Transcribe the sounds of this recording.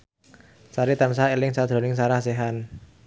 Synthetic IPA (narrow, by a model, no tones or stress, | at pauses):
saɾit̪amsaelɪŋsad̪̥ɾɔ̤nɪŋs̬aɾahseɦan